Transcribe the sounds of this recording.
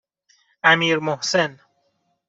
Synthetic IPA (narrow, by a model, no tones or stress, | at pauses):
ʔæmiːɾmohsen